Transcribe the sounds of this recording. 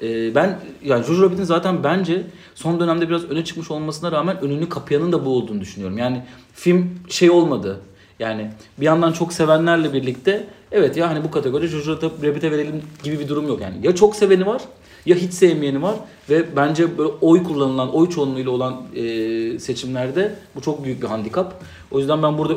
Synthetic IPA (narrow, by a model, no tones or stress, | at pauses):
ɛːbænjaːnid͡ʒo̞ʒuɾabit̪ʰʲinzaːt̪ʰænbænd͡ʒɛ | so̞nd̪ø̞næmd̪ɛbiɾazø̞nɛt͡ʃʰɯ̥kmɯʃo̞lˠmasɯnaɾaːmænønynʲːykʰapʰɯjanɯnd̪abuolˠd̪uːnud̪yʃynyjo̞ɾumjaːnɪfimʃe̞jo̞lˠmad̪ɯ | jaːnɪbijand̪ant͡ʃʰo̞kse̞vænlʲæɾlʲɛbiɾlʲic̚t̪ʰɛɛvɛt̪jaɦanibukʰat̪ʰeɡo̞ɾid̪ɛd͡ʒʰoʒuɾad̪aɾebit̪ʰɛve̞ɾelʲimɟibibid̪uɾumjo̞kja̰ːnḭjat͡ʃʰo̞kse̞ve̞nivaɾ̥ | jaɦit͡ʃsemije̞nivaɾ̥ | vɛbænd͡ʒɛbølʲʔo̞jkʰulˠːanɯlˠano̞jt͡ʃʰo̞nmujlʲˠao̞lˠanɯːse̞t͡ʃʰimlʲæɾd̪ɛbut͡ʃʰo̞k̚byjyc̚biɦand̪ikʰap | o̞jyzd̪ænbænbuɾd̪a